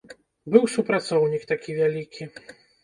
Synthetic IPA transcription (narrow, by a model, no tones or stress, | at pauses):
bɨwsupɾat̪sɔwnʲikt̪akʲivʲalʲikʲi